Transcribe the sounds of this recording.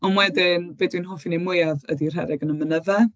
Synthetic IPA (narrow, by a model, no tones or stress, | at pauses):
ɔnwɛdɪnb̥eːdwinɦoːfinemʊjavə̰dir̥ɦɛ̰ɾɪɡənəmənəvɛ